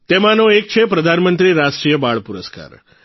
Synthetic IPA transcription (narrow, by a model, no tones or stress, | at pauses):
t̪emãnoek̚t͡ʃʰepɾəd̪ʱanmənt̪ɾiɾasʈɾijəbaɭpuɾəska̰ɾ